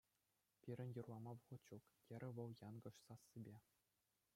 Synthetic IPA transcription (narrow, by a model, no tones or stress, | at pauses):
pʲiɾʲɘ̆nʲjɤ̆rlˠɑmɑʋɤʁɤ̆t̪ʲt͡ɕukjʲɘ̆ɾʲɘ̆ʋɤ̆lˠjɑnɡɤ̆ʂsɑsːibʲe